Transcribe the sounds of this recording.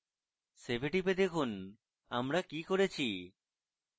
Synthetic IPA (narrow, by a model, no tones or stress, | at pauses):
sebʱeʈiped̪ekʰun | a̰mɾakikoɾet͡ʃʰi